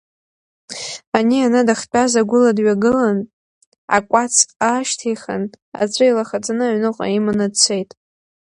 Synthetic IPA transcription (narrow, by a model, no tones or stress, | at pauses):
anianadaχt͡pʼazaɡʷʊladɥaɡɨlan | a̰kʷʼat͡sʰʼaʃtʰejχa̰n | a̰t͡sʷʰʼailaχat͡sʼanɨaɥnɨqʷʼa̰imanadt͡sʰejtʼ